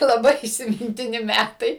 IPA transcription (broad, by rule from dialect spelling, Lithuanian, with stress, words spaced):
lˠɐˈbɐɪ iːsʲɪmʲɪnʲtʲɪˈnʲɪ ˈmʲætɐɪ